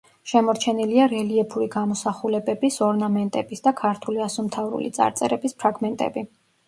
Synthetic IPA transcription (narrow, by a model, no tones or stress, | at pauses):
ʃɛmɔɾt͡ʃʰɛniliaɾɛliɛpʰuɾiɡamɔsaχulɛbɛbisɔɾnamɛnt̪ʼɛbisd̪akʰaɾt̪ʰuliasɔmt̪ʰavɾṵlḭt̪sʼa̰ɾt̪sʼɛ̰ɾɛbispʰɾaɡmɛnt̪ʼɛ̰bi